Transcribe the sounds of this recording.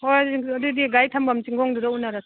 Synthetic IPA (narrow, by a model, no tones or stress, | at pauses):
ojɐdudiɡajtʰambamt͡ʃiŋɡɔŋduɾaunaɾas